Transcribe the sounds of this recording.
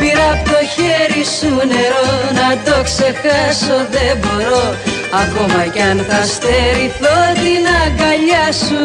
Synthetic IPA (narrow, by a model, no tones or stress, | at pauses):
piɾɐpt̪oçeɾisune̞ɾonɐd̪o̞ksexɐso̞ðebo̞ɾo̞ | ɐko̞mɐcɐnθɐst̪eɾiθot̪inɐɡɐʎɐsu